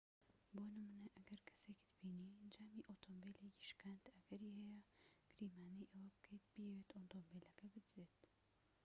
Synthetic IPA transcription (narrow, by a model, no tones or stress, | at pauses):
boːnɨmunɐʔɐɡɐɾkʰɐ̥sekid̪ɨbiːnid͡ʒaːmiːʔot̪ʰoːmbeleci̥ʃkaːnt̪ɐɡ̥ɐɾiːhɛjɛɡ̥ɨɾiːmaːnijʔewɐbɨkʰejt̪̚b̥ijeweːt̪oːnt̪oːmbeːlɐkɐbɨd̪zeːt̪